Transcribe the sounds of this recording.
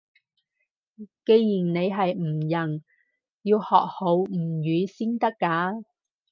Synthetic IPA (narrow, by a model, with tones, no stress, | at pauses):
ke˧jjiː˨˩nne˨˧jɦɐ˨jm̩˨˩jɐ˨˩ŋ | jiː˧whɔː˨k̚ho˨˧wm̩˨˩jyː˨˥siː˥nt̪ɐ˥kːaː˨˥